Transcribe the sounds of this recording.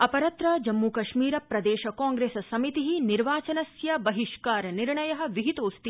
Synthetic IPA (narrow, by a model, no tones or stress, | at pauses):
ɐpɐɾɐt̪ɾɐd͡ʒɐmːukɐʃmiːɾɐpɾɐd̪eːʃɐkaːŋɡɾeːssɐmit̪iɦiniɾʋaːt͡ʃɐnɐsjɐbɐɦiʃkaːɾniɾɳɐjɐɦɐ̆ʋiɦit̪oːst̪i